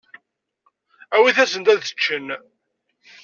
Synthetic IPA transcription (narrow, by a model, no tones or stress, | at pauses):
æwiθæsənt̪æðət͡ʃːən